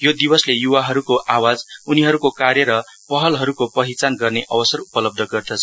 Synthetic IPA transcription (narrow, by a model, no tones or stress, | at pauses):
jod̪ibʌslejuwaɦʌɾukoʔawad͡zuniɦʌɾukokarjʌɾʌpʌɦʌlɦʌɾukopʌɦit͡sanɡʌrneʔʌbʌsʌrupʌlʌb̚d̪ʱʌɡʌrd̪ʌt͡sʰʌ